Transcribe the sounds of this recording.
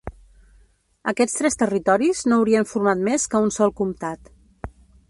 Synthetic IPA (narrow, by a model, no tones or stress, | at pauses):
əkɛt͡sst̪ɾɛst̪ərit̪ɔɾiznoːwɾiəɱfuɾmat̪meskəunsɔlˠkumt̪at̪